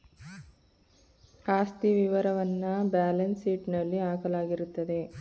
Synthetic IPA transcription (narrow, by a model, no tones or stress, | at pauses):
aːst̪iʋiʋɐɾɐʋɐnːɐbaːlɐnsiːʈnɐlːiaːkɐlaːɡiɾut̪ːɐd̪e̞